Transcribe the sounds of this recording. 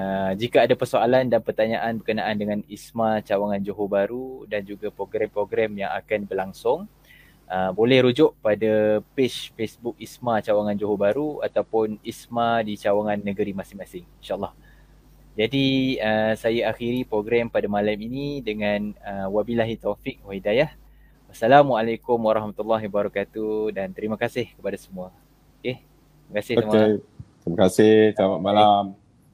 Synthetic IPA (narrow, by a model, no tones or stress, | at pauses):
əd͡ʒikaadapərsoalandanpərt̪aɲaʔanbərkənaʔandəŋanismat͡ʃawaŋand͡ʒoɦobaɾudand͡ʒuɡapɾoɡɾɛmpɾoɡɾɛmjaŋa̰kanbəlaŋsʊŋ | ʔəbolɛhɾud͡ʒʊʔpadapet͡ʃfesbʊk̚ismat͡ʃawaŋand͡ʒoɦobaɾuat̪awpʊnismadit͡ʃawaŋãnːəɡəɾimasɪmasɪŋinʃaʔlˠːɑh | d͡ʒadiəsajaaxiɾipɾoɡɾɛmpadamalaminĩdəŋãnəwabilaɦit̪ofik̚wahidajah | wasalamwaalajkʊmwaɾɑhmat̪ulːaɦibaɾɔkat̪udant̪əɾiməkasɪhkəpadasəmũa | oket̪iməkasɪhosəmet̪əɾimakasɪhsamat̪̚malam